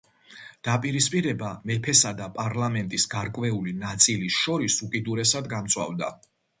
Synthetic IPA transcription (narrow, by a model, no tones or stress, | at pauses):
d̪̥apʼiɾispʼiɾɛbamɛpʰɛsad̪apʼaɾlamɛnt̪ʼisɡaɾkʼvɛulinat̪sʼilisʃɔɾisukʼid̪uɾɛsad̪ɡamt̪sʰʼwa̰vd̪a̰